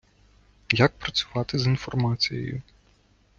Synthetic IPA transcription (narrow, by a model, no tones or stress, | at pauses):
jak̚pɾɐt͡sʲʊ̥ʋɑt̪ɪzinfɔrmɑt͡sʲijɛ̰jʊ̰